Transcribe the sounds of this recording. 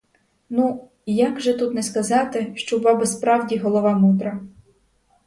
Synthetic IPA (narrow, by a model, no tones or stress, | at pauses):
nu | jaɡʒɛt̪ut̪nɛskɐzɑt̪ɪʃt͡ʃɔwʋɑbɛspɾɑwdʲiɦɔlˠɔʋɑmud̪ɾɐ